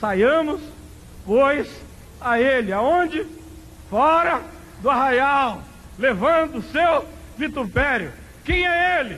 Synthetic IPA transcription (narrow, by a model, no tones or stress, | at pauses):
sajɐ̃mʊs | pojs | aelɪaõd͡ʒɪ | fɔɾɐ | d̪ʊaɦajaw | levɐ̃nd̪ʊsewvit̪upɛɾjʊ̰ | kẽj̃ɛelɪ